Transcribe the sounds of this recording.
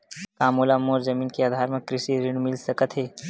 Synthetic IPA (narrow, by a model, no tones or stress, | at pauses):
kaːmuːlamoːɾzɐmiːnkeaːd̪ʱaːɾmẽkɾɪsiɾɪɽmɪlsɐkət̪ɦeː